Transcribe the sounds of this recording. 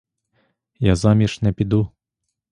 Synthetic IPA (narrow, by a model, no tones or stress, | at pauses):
jazamʲiʂnɛpʲid̪u